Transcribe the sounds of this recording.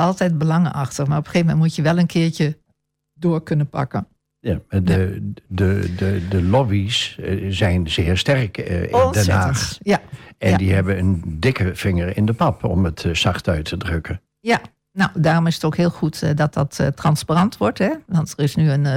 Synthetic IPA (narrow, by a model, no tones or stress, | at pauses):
ɑlˠtɛjt̚bəlɑŋa̰xtəxmarɔpəxeːvəmɛntmutjəʋɛlˠənkʰɪːɹcə | doːərkønəpa̰kən | jamaədədədəlɔbiszɛjnzɪːɹstɛrkndɛnaːxjaɛdiɦɛbənəndɪkəfɪŋəɹɪ̰ndəpɑpʰɔ̰mətsɑxtœɥtʰədrøkə | ja | nawdaːrɔmɪsə̥toːkhɪəlˠxutdɔt̚dɔttːrɑnsparɑntʋɔɹtɛʋɑntərɪsnyən